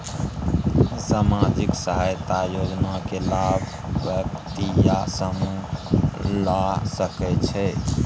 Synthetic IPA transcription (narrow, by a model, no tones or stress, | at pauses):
samad͡ʒiksəɦajt̪ajod͡ʒnakelabʱ | ʋjək̚t̪ijasəmu | lasəkɛt͡ʃʰɛ